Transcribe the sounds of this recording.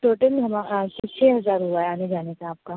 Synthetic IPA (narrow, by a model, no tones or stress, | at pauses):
ʈoːʈəlɦɐmaast͡ʃʰɛːɦɐzaːɾɦuaɦɛaːned͡ʒaːnekaaːp̚ka